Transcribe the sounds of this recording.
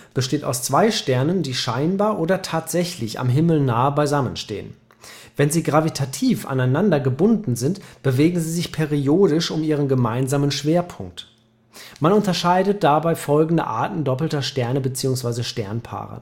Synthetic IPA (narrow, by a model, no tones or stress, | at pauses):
b̥əʃteːta̰ʊst͡sv̥aɪʃtɛɐnəndiːʃaɪnbaːɐʔoːdɐtʰaːtz̥ɛçlɪça̰mɦɪml̩naːəbaɪzamənʃtḛːə̰n | vɛnziːɡʁavitʰatʰiːfa̰naɪnandɐɡəbʊndn̩zɪntb̥əveːɡŋ̩ziːzɪçpʰɛʁioːɾɪʃʊmiːʁ̞ənɡəmaɪnzaːmənʃv̥eːɐpʰʊŋk̚t | manʊntɐʃaɪdət̚d̥abaɪfɔlɡŋ̩də̰ʔa̰ɐtn̩dɔpl̩tɐʃtɛɐnəbət͡siːʊŋsv̥aɪzəʃtɛɐnpʰa̰ːʁə̰